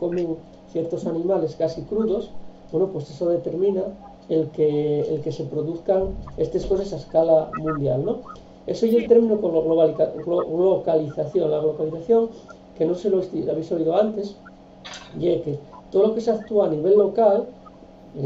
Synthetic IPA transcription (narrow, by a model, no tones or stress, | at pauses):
ko̞meŋ | θjeɾt̪o̞sanĩmale̞skasikɾuðo̞sbwenopwe̞sesoðe̞t̪e̞ɾmĩna | elkḛːlke̞se̞pɾoðuθkaŋest̪esko̞sesaeskalamũnd̪ja̰lno̞ | esejelt̪e̞ɾmĩnokooɣloβalɣloɣlokaliθaθjoŋlaɣlo̞kaliθaθjo̞ŋ | kenoseloesilaβejsoβið̞oant̪e̞s | jeket̪oðolo̞ke̞seakt̪uaːniβe̞lːo̞kal